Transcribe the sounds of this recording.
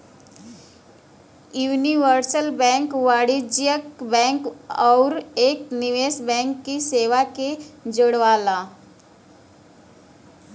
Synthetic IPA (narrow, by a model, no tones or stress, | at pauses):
juːniʋəɾsəlbɛ̃ŋkʋaɽid͡ʒjəkbɛ̃ŋkɔʊɾekniʋesbɛ̃ŋkːiseʋaked͡ʒəɽʋala